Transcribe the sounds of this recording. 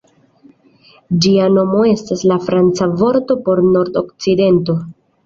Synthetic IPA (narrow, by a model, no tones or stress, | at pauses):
d͡ʒiano̞mo̞e̞staslafɾant͡savo̞ɾto̞po̞ɾno̞ɾdo̞kt͡side̞nto̞